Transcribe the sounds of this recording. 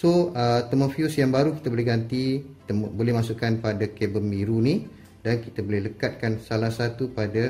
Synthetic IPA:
soət̪əmõfiusjaŋbaɾuki̥t̪abolɛɦɡant̪ikit̪abolɛhmãsuʔkanpadakɛbəmiɾuni | dankit̪abolɛhləkat̪̚kansalahsat̪upada

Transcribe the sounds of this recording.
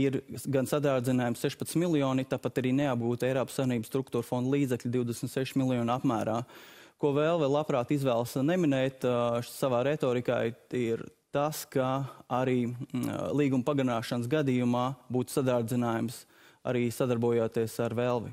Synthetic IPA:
iɾɡansad̪aːɾd̪zinaːjumsseʃpɐt̪milˠijɔːnit̪aːpat̪aɾiːneab̚ɡuːt̪ejɾɔːpsːaʋʲjiɛniːbəst̪ɾuk̚t̪uːɾfɔnd̪lˠiːd̪zɛklʲd̪iwd̪esmt̪seʃmilˠjɔːnapmæːɾaːkuɔvɛlˠvɛlˠapɾaːt̪izʋɛːlˠsnɛminɛjt̪saʋaːɾet̪ɔːɾika̰ːjiɾt̪askaaɾiːlˠiːɡumpaɡanaːʃansɡad̪iːjumaːbuːt̪u̥sad̪aːɾd̪zinaːjums | a̰ɾiːsad̪aɾbuɔjoːt̪iɛsaɾvelˠʋi

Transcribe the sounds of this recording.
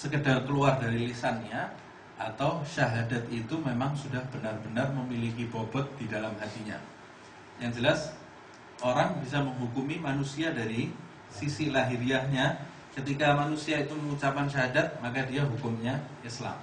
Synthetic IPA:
səkədarkəluardaɾilisanja | at̪awʃaɦadat̪̚it̪umemaŋsudahb̥ənarbənarməmilikibobɔt̪̚d̥idalamɦat̪iɲa̰ | jaŋd͡ʒəlas | ʔoɾaŋbis̬aməŋɦukumimanusiadaɾi | sisilaɦiɾiahɲa | kət̪ikamanusiait̪uməŋut͡ʃapanʃaɦadat̪̚makadiaɦukʊmɲaʔisla̰m

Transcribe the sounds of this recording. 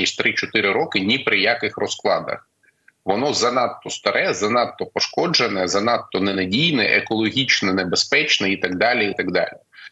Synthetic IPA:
isʲtʲt̪ɾɪt͡ʃɔt̪ɪɾɪɾɔkɪnʲipɾɪjakɪxrɔsklˠɑ̰d̪ɐ̰x | ʋɔnɔzɐnɑt̪ːɔst̪ɐɾʔɛzɐnɑt̪ːɔpɔʃkɔd͡ʒenɛzɐnɑt̪ːɔnenɐdʲijnɛʔekɔlˠɔɦʲit͡ʃnɛnebespɛt͡ʃnɛit̪ɐɡd̪ɑlʲiit̪ɐɡd̪ɑ̰lʲi

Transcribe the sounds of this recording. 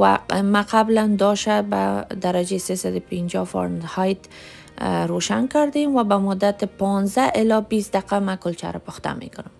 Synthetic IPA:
wa̰maqabland̪ɔʃaba̰d̪aɾad͡ʒesesad̪ʊpɪnd͡ʒɔfɔ̰ɾnhajt̪ | ɾoʃankaɾd̪emwabamʊd̪ːat̪ɪpɔnzaʔɪlɔbisd̪aqamakʊlt͡ʃa̰ɾɪpʊxt̪a̰mḛkʊnʊm

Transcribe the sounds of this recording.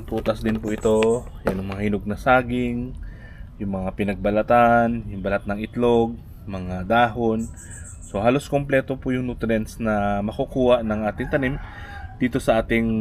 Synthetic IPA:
t̪uːt̪ɐsd̪ɪnpʊʔɪt̪o̞janʊŋmɐŋahɪnoɡ̚nɐsaːɡɪŋ | jʊŋmɐŋapɪnɐɡ̚bɐlɐt̪anjʊŋbɐlat̪̚nɐŋɪt̪lo̞ɡ̚ | mɐŋad̪aːɦo̞n | so̞haːlo̞skomplɛːt̪o̞pʊjʊŋnut̪ɾɛnsnɐmɐkokuːhaʔnɐŋʔaːt̪ɪŋt̪ɐnimd̪̥iːt̪o̞sɐʔaːt̪ɪŋ

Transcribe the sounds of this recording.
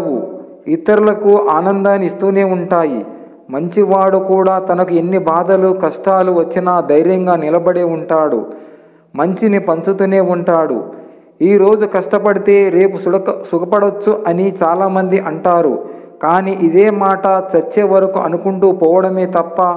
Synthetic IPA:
ṵ | it̪ːɐɾulɐkuʔaːnɐnd̪aːnist̪uːne̞ːuɳʈaːjḭ | mɐɲt͡ʃiʋaːɽukuːɽaːt̪ɐnɐkue̞nːibaːd̪ɐlukɐsʈaːluʋɐt͡ʃːinɐd̪ɐjɾjɐŋɡaːnilɐbɐɽeːuɳʈaːɽṵ | mɐɲt͡ʃinipɐɲt͡ʃut̪une̞ːuɳʈaːɽṵ | iːɾo̞ːd͡ʒukɐsʈɐpɐɽit̪e̞ːɾeːpusukɐpɐɽɐt͡ʃːuʔɐnit͡ʃaːlaːmɐnd̪iʔɐɳʈaːɾṵ | kaːniːʔid̪eːmaːʈɐt͡ʃɐt͡ʃːeːʋɐɾɐkuʔɐ̰nukuɳʈuːpɔːʋɐɽɐme̞ːt̪ɐpːɐ

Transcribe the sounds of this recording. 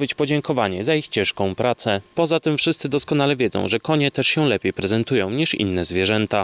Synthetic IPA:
bɘt͡ɕpɔd͡ʑɛŋkɔvaɲɛzaixt͡ɕɛ̃ʂkɔ̃w̃pɾat̪sɛpɔzat̪ɘmfʂɘst̪sɘd̪ɔskɔnalɛvʲjɛd̪zɔ̰̃w̃ʐɛkɔɲɛt̪ɛʂɕɛwlɛpʲjejpɾɛzɛnt̪ujɔ̃w̃ɲiʂḭnːɛzvʲjɛʐɛnt̪a

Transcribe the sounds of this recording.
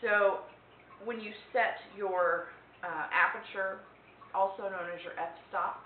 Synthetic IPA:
soʊ | wə̃njɨsɛtjə˞ | ʔæpɹɨt͡ʃə˞ | ʔɔlˠsoʊnõʊ̃nɨzjə˞ʔɛpstɑp̚

